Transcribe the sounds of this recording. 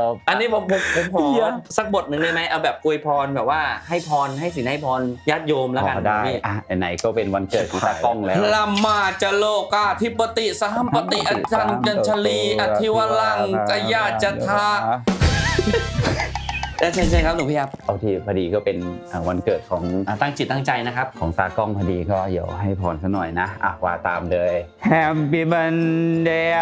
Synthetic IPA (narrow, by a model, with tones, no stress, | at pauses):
ʔa˧nːiː˦˥pʰo˨˦mpsa˨˩k̚bo˨˩t̪̚nɯ˨ŋna˥˩jma˦˥jʔa˧wbɛː˨˩p̚ku˧jpʰɔː˧nbɛː˨˩p̚waː˥˩ha˥˩jpʰɔː˧nɦa˥˩js̬i˨˩˦nha˥˩jpʰɔː˧njaː˥˩t̪̚joː˧mlɛ˦˥ka˧daː˧˩iː˧˩ʔa˧˩ɛ˨˩na˩˦jkɔː˥˩pe˧nwa˧nkɤː˨˩t̪̚ʰɔ˨˦aː˧˩kɔ˧˥˩ŋlɛ˦la˧mːaː˧˩t͡ɕa˧loː˧˩ka˧˩t̪ʰi˦˥pːa˧t̪i˨˩sa˧ɦa˥˨mpa˧t̪i˨˩ʔa˧t͡ɕa˧nt͡ɕa˧nt͡ɕʰa˧liː˧ʔʔa˧t̪ʰi˧˥wa˧la˧˩ŋ˧ka˧jaː˧˩t͡ɕa˧˨t̪ʰa˦˥ | taː˧˩t͡ɕʰa˧˩t͡ɕʰa˧kʰa˦˥d̪uː˨˦pi˦˥˩kʰa˦˧˥p̚ʔa˧wt̪ʰiː˧˩pʰa˧diː˧kɔː˥˩pe˧nʔaː˨˩wa˧nkɤː˨˩t̪̚kʰɔː˩˦ŋ˨˧˩t̪a˥˩ŋt͡ɕʰi˨˩t̪a˥˩ŋt͡ɕa˧jna˦˥kʰa˦˥p̚kʰɔː˩˦ŋsaː˧kɔ˥˩ŋpʰa˧diː˧kɔː˥˩di˨˦əwɦa˥˩jpʰɔː˨˦nsʰa˧˥nɔ˨˩jna˦˥ʔa̰˨˩k̚waː˧˩t̪aː˧mlɤː˧jʰ | ɛː˧˩mpi˧˩ba˧ndeː˧